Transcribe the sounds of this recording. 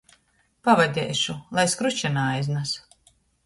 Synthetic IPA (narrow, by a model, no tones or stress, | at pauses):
pavad̪ʲɛ̰jʃulˠajskɾut͡ʃanaːjznas